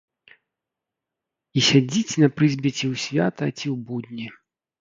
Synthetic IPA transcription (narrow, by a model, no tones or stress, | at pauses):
isʲad͡zʲit͡sʲnɐpɾɨzʲbʲɛt͡sʲiwsʲvʲat̪ɐt͡sʲiwbud̪ʲnʲi